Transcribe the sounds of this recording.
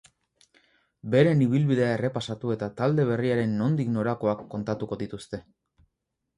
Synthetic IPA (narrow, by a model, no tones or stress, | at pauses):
be̞ɾe̞niβilβiðe̞ae̞re̞pasat̪ue̞t̪at̪ald̪e̞β̞e̞riaɾe̞nːo̞nd̪ikno̞ɾako̞akːo̞nt̪at̪uko̞ðit̪ust̪e̞